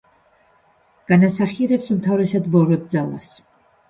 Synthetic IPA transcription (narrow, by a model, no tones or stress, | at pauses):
ɡ̥anasaχiɛɾɛpsumt̪ʰavɾɛsad̪vɔɾɔd̪̚d̪zalˠa̰s